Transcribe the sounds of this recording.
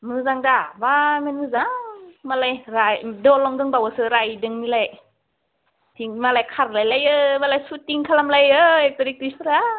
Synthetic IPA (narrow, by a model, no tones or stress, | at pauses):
mɯːzaŋdaːwaːmɛnmɯːzamaːlajɾajdolɔŋdɯŋbawasɯːɾajdɯŋnilaj | t̪ʰiŋmaːlajkʰarlajlajʔəːmaːlajsut̪̚ːiŋkʰalamlajəːjpadik̚t̪isuɾa